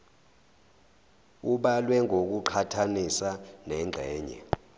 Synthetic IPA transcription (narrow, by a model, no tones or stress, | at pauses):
uɓalwɛŋʱok̬uǃʰatʰanisanɛŋ͡ǁʱɛːɲɛ̰